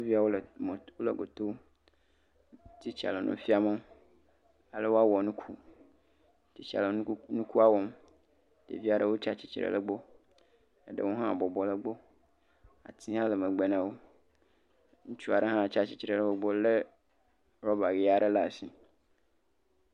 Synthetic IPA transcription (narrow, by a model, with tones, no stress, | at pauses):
o˦vi˦a˨wo˦lm˨wo˦lə˨ɡo˨t̪o˦ | t̪i˦t͡ɕa̰˨le˨nʔṵ̃˦fi˦a˨me˦ | a˨le˦wo˦a˦wɔ˨nũ˦kʰu˦ | t̪i˨t͡ɕi˨a̰˨lə˨˦nũ˦ku˦a˦wɔ˦m | dḛ˨vi˦a˨ɖə˦wo˦t͡ʃa˦t͡ɕi˦t͡ɕi˨ɾḛ˨lə˦ɡ͡bo˦ | e˦ɖə̰˦wo˦ɦã˦˨bɔ˨bɔ˨lə˦ɡ͡bo˦ | a̰˨t̪ʰi˦ɦã˦lə˨mẽ˨ɡ͡be˨nã˨wo˦ | ŋũ˦t͡ʃu˦a˨ɖe˦ɦã˦˨t͡ʃa˦t͡ɕi̥˦t͡ɕi˨ɾe˨lə˦bo˦ɡ͡bo˦le˦ | ɾɔ˦ba˨ɡe˨a˨ɖe˦la˦˨si˦